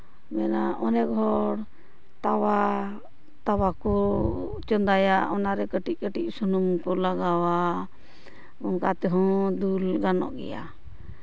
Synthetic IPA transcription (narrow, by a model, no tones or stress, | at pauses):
mɛnaʔɔnɛɡʱɔɽ | t̪awa | t̪awakɔt͡ʃɔnd̪ajaɔnaɾɛkəʈic̚ˀkəʈic̚sɔnumkɔlaɡawa | ɔŋkat̪ɛɦɔ̃d̪ulɡanɔ̰ʔɡɛ̰ja̰